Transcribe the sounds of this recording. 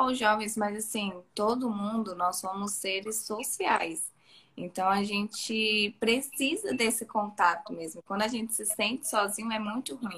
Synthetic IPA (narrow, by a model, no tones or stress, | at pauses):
ʊʒɔvẽj̃smɐzasĩt̪od̪ʊmũnd̪ʊnɔssõmʊsːeɾɪsːosiajs | ḛ̃nt̪ɐ̃w̃aʒẽnt͡ʃɪpɾesizɐd̪esɪkõnt̪at̪ʊmezmʊkwɐ̃d̪ʊaʒẽnt͡ʃɪ̥sɪsẽnt͡ʃɪ̥sɔzĩɲʊɛmũj̃t̪ʊɦuĩ